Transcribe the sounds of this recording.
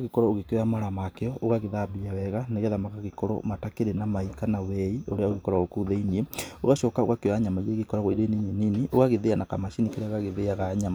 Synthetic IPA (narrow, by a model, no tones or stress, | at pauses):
ɣekɔɾɔoɣekoamaɾamakeɔoɣaɣeðabiawɛɣaneɣeðamakaɣekɔɾɔ̰matakeɾenamaikanawɛioɾeaoɣekɔɾaokuðeinieoɣaʃɔkao̰ɣakwaɲamaiɾeɣekɔɾaɣoiɾenineniniʔoɣaɣeðeanakamaʃinikeɾeaoɣaɣeðeaɣaɲama